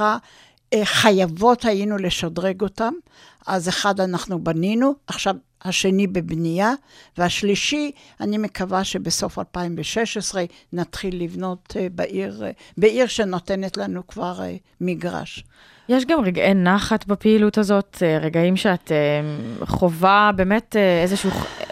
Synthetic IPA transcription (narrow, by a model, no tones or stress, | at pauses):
a | χajavo̞thajinuleʃodʁeɡo̞tam | azeχad̪anaχnubaninuʔaχʃav | haʃe̞nibebnijaveaʃliʃi | anime̞kavaʃe̞beso̞fa̰lpaimveʃeʃesʁenat̪χilːivno̞tbaʔiʁ | beʔiʁʃe̞notenetlanukvaʁ̰ | miɡʁa̰ʃ | jeʃɡamʁeɡenaχatbapeiluthazo̞teʁeɡaimʃeat̪emχovabeːmeteezeʃuu